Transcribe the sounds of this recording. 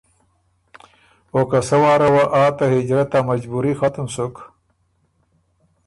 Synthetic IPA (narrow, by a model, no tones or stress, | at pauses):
okɐsɐwaːɾɐwaʔaːt̪aɦid͡ʑɾɐt̪amɐd͡ʑbuɾixat̪əmsuk